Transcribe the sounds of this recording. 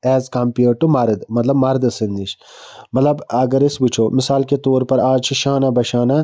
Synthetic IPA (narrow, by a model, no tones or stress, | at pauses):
ɛːzkɐmpjuːʈ̚ʈːumɐɾd̪mɐt̪lɐbmɐɾd̪ɐsɨnd̪it͡ʃʰ | mɐt̪lɐbɐɡɐɾisbit͡ʃʰoːmɪsaːlket̪oːɾpɐɾaːd͡ʒt͡ʃʰiʃaːnabɐʃaːna